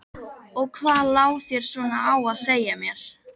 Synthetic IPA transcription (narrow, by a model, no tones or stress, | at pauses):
ɔɣkʰvaːlaːwθjɛɾ̥sɔːnaawaðseːjamjɛɾ̥